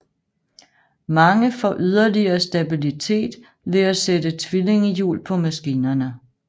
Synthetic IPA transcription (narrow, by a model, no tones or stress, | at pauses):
mɑ̈ŋəfɒʔyð̞ˠɐliɐːsd̥æb̥ilit͡sʰe̝̰ːd̥ | ʋe̝æsedət͡sʰʋile̝ŋəjṵːlpʰɒ̽mæsɡ̥iːnɐnə